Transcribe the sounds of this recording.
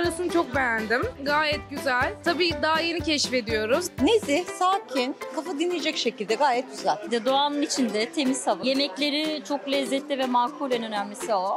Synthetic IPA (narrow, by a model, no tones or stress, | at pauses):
ɾasɯnat͡ʃʰo̞k̚bejænd̪imɡaːjɛt̪ɟyzælʲt̪ʰabiːd̪aɦaje̞nicʰɛʃfe̞d̪ijo̞ɾuznesɪsaːcʰinkʰafad̪inlːʲijed͡ʒɛcʃecilʲd̪ɛɡaːjɛt̪̚ɟyzɛlʲid̪ɛd̪o̞aːnɯnit͡ʃʰind̪ɛt̪ʰe̞mizhavɯje̞mɛclʲe̞ɾit͡ʃʰo̞klʲɛzːɛt̪lʲivɛmaːkʰuɾlʲɛnønæmlʲisio